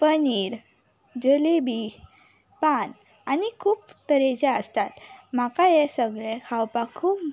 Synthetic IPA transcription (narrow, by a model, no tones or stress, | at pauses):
pəniːɾ | d͡ʑəlebi | pan | anikʰuːpt̪əɾed͡ʑaəst̪at̪m̤akajesəɡɭɛkʰawpakʰuːp